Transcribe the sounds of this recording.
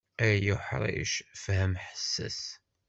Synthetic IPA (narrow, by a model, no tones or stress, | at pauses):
æjuħɾˤḭʃfhæmħə̥sːæ̰s